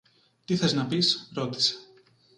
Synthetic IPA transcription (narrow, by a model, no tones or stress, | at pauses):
t̪iθeznɐpisɾo̞t̪i̥se̥